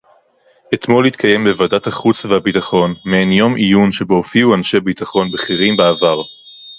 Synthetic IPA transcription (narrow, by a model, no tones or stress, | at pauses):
ʔet̪mo̞lit̪kʰaje̞mbevadat̪haχut͡svehabit̪aχo̞nmenjo̞mʔijunʃe̞boːfiuanʃebit̪aχo̞nbeχiʁimbeavaʁ